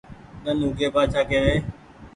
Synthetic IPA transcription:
ɗənuːɡeːpaːt͡ʃʰaːkeːʋeː

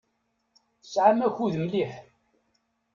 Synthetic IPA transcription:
θəsʕamæçuðəmliħ

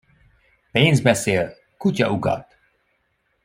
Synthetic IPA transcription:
peːnzbɛseːl | kucɒ̰ʔuɡɒ̰t̪

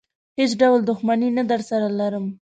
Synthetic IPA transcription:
hesɖawld̪ʊxmaninad̪aɾsaɾalaɾəm

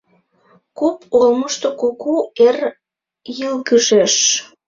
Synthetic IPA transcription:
kupʰolməʃt̪okokuer | jəlkəʒeʃ

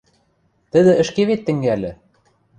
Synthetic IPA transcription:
t̪ɘ̆ðɘʔɘ̆ʃkiβit̪ːɘ̆ŋɡɘælɘ

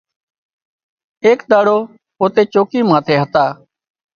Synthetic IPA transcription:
eːkɗ̪aːɽoː | oːt̪eːt͡ʃoːkiːmãːt̪ʰeːɦət̪aː

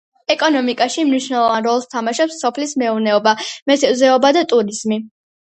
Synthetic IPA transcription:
ɛkʼɔnɔmikʼaʃimniʃwnɛlˠɔvanɾɔlˠst̪ʰamaʃɔpsːɔpʰlismɛuɾnɛɔbamɛsɛzɛɔbad̪at̪ʼuɾiz̥mi

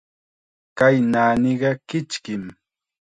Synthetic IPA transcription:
kajnaːniɢɑkɪt͡ʃkɪm

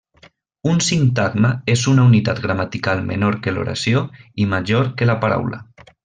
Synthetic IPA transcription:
unsiŋt̪aɣməezunaunit̪at̪ɡɾamat̪ikalˠmḛnoɾkelo̰ɾa̰sjoimaʒoɾkelapaɾa̰wlə̰

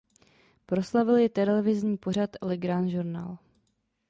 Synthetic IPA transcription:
pɾo̞slavɪljɪt̪ɛlɛlɛvɪzɲiːpor̝at̪lɪɡɾaːnʒuɾna̰ːl

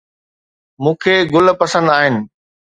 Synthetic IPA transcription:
mũːkʰeːɡʊlpɐsə̃nd̪aːɦɪnɪ̆

